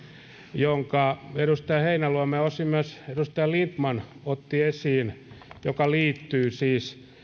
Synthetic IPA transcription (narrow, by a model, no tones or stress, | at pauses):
joŋkɑeɾust̪ɑjɑheinæluɑmeosimːøsedust̪ɑjɑlint̪mɑnot̪ːiesiːnjokɑliːt̪ːyːsiːs